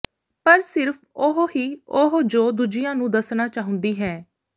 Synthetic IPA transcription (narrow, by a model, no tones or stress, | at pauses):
pəɾsɪɾpʰ | ʊɦɦiːoɦd͡ʒoːd̪ud͡ʒɪjãːnũːd̪əsnaːt͡ʃaːɦʊ̃nd̪iːɦɛː